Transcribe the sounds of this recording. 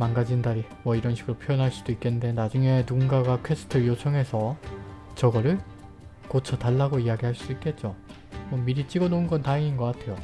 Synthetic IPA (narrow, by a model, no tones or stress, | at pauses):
manɡad͡ʑindaɾi | mwʌiɾʌnɕʰiɡɯɾopʰjojʌnɦaɭs͈ud̥oik͈ende̞nad͡ʑuŋe̞nuŋɡaɡakʰes͈ʰɯ̥tʰɯɭjot͡ɕʰʌŋɦe̞sʰʌ | t͡ɕʌɡʌɾɯɭ | kot͡ɕʰʌtaɭːaɡoiaɡiɦaɭs͈ud̥oik͈e̞t̚t͡ɕ͈o | mʌmiɾit͡ɕ͈iɡʌnounɡʌntaeŋinɡʌk͈atʰe̞jo